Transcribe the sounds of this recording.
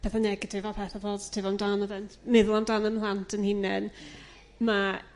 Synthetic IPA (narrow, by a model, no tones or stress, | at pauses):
pʰɛθanɛɡɪtʰɪvapʰɛθavoːdtʰɪvɔamdanɔðɛntʰmɪðʊlˠamdanəmlˠantʰənhɪnɛn | ma